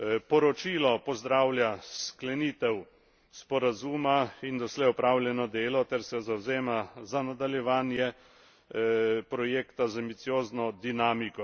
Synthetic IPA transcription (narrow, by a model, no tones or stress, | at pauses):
pɔɾɔt͡ʃiːlɔpɔzd̪ɾaːwljasklɛniːt̪ɛw | spɔɾazuːmaind̪ɔslɛjɔpɾaːwlʲjɛnɔd̪eːlɔt̪ɛɾsɛzawzeːmazanad̪aljɛʋaːnjɛ | pɾɔjeːkt̪azambit̪sijoːznɔd̪inaːmikɔ